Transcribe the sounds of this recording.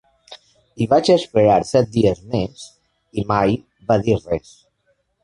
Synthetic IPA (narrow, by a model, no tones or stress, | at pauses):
iβat͡ʃəspeɾaɾsɛt̪̚d̪iəzmes | imaj | βaðirɛs